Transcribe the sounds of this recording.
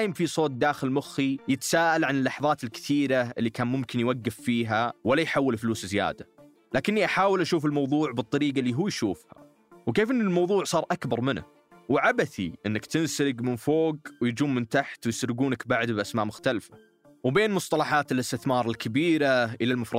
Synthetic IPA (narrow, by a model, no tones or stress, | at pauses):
jɪmfisˤoːt̪̚d̪aːxɪlmʊxːijɪt̪ḁsaːʔalʕanɪlːɑħðˤɑːt̪ɪlkɪ̥θiːɾaʔɪlːikʰaːnmʊmkɪnjwaɡːɪfːiːɦawalːajħawːɪlfluːszja̰ːd̪a | laːkɪnːiʔaħaːwɪlʔaʃuːfɪlmɑwðˤuːʕbɨt̪ˤːɑɾiːɡalːiːɦuːjʃuːfha̰ | wkeːfʔɪnːɪlmɑwðˤuːʕsˤɑːɾˤʔakbɑɾˤmɪna̰ | wʕabaθiʔɪnːakt̪ɪnsɾɪɡmɪnfoːɡwjd͡ʒuːmːɪnt̪aħt̪wjɪsɾɪɡuːnakbaʕd̪bʔasmaːʔmʊxt̪alfa | wbeːnmʊsˤt̪ˤɑlɑħaːt̪ɪlɪst̪ɪθmɑːɾˤɪlkʰabiːɾaʔɪlalmʊfɾˤɑ